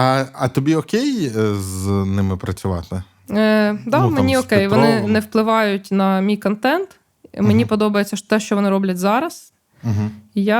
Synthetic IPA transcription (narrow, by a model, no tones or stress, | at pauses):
ɐɐt̪ɔbʲiɔkʲejznɪmɪpɾɐt͡sʲʊʋɑ̰t̪ɪ̰ | d̪ɑmenʲiɔkɛjʋɔnɪnɛwplˠɪʋɑjʊtʲnɐmʲijkɔnt̪ɛnt̪ | menʲipɔd̪ɔbɐjet͡sʲːɐt̪ɛʃt͡ʃɔʋɔnɪɾɔblʲɐtʲzɑɾɐs̩ | ɦja